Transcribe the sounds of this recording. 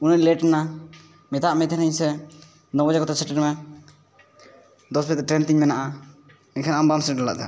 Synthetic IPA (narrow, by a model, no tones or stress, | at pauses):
uniɾlɛʈɛna | mɛt̪aʔmɛt̪ʰɛnɛɲsɛ | nɔbɔd͡ʒakɔt̪asʰɛʈɛɾmɛ | d̪ɔsbʰɛt̪ːɛʈɾɛnt̪iɲmɛnaʔa | mɛkʰɛnaambamsɛʈɔla̰ʔd̪a̰